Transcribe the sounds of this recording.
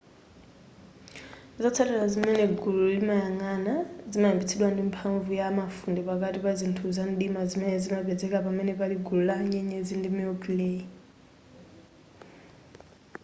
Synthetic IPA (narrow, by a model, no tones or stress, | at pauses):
zat͡sʰalɛlazimɛnɛɡululimajaŋanazimaimbit͡sʰiɗwandimpʰaɱvujaːmafundipak̬ʼatʼipazintʰuzanɗimazimɛnɛzimaɓɛd͡zɛkʼapamɛnɛpaliɡululaɲɛɲɛd͡zindimiokileːi